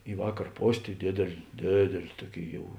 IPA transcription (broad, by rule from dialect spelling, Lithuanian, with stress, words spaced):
ɪ ˈʋɑːkɐr ˈpoːsʲ tɐɪ ˈdʲeːdʲeːlʲ ˈdʲeːdʲeːlʲ ˈtuɔˌkʲeːɪ ˈjɛʊ